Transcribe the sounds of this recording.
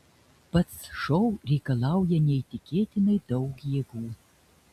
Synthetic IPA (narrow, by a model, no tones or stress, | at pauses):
pɐt̪sʃɔwɾʲɛjkɐlˠɑwjɛnʲɛit̪ʲɪkʲeːt̪ʲɪnɐjd̪ɐwkjɛɡuː